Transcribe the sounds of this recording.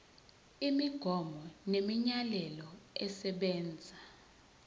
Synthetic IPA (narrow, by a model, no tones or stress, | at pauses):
imiɡ̥ʱɔmɔnemiɲalɛlɔɛsɛɓɛːnd͡zʱa